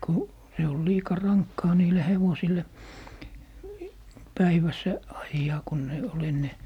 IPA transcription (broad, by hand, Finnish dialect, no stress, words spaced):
ku se ol liːkɑ rɑŋkːɑː niːle heʋosilˑe pæiʋæsː ɑjːɑː ku ne ol enːe